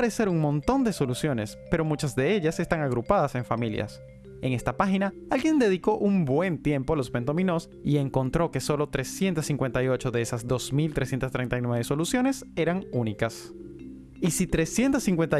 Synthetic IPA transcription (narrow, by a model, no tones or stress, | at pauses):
ɾe̞se̞ɾuŋmõ̞nt̪o̞nd̪e̞so̞lusjo̞ne̞spe̞ɾo̞mut͡ʃazðe̞e̞ʎase̞st̪aŋaɣɾupað̞ase̞ɱfamilja̰s | e̞ŋe̞st̪apaxina | alɡje̞nd̪e̞ðiko̞ʔuŋbwe̞nt̪je̞mpo̞alo̞spe̞nt̪omino̞s | ie̞ŋko̞nt̪ɾo̞ke̞so̞lo̞t̪ɾe̞sje̞nt̪asːiŋkwe̞nt̪ajo̞t͡ʃo̞ðe̞esazd̪o̞smilt̪ɾesje̞nt̪ast̪ɾe̞jnt̪ajnweβeso̞lusjo̞ne̞se̞ɾaŋunikas | isit̪ɾe̞sje̞nt̪asiŋkwe̞nt̪a